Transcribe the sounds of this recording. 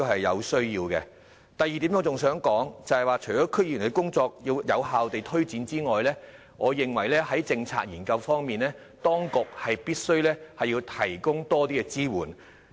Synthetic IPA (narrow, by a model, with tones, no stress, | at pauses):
hɐ˨jːɐ̰˨˧wsɵ˥ɥjiː˧wkɛː˧ | t̪ɐ˨jiː˨t̪i˨˥no˧t͡sʊ˨ŋsœː˨˥ŋkɔː˨˥ŋt͡sɐ˨hɐ˨jwaː˨˧t͡ʃʰɵ˨˩t͡sɔː˨˦˥kʰɵ˥k̚jiː˨˩nkːkʊ˥ŋt͡sɔː˧k̚ji˧wjɐ˨˧wɦaː˨wt̪e˨jt̪ʰɵ˥ɥt͡siː˨˧˥nt͡siː˥ŋɔː˨jlɛː˥ | ŋʔɔː˨˧jɪ˨˩ŋwɐ˨˩jlɛː˥hɐ˨˥jt͡sɪ˧ŋt͡sʰa̰ː˧k̚jiː˨˩nkɐ˧wfɔː˥ŋmiː˨˩nlɛː˥ | t̪ɔː˥ŋkʊ˨k̚hɐ˨jpiː˥t̚sɵ˥ɥlɛː˥hɐ˨jːiː˧wt̪ʰɐ˨˩jkʊ˥ŋt̪ɔː˥t̪iː˥kɛ˧t͡siː˥wuː˨˩n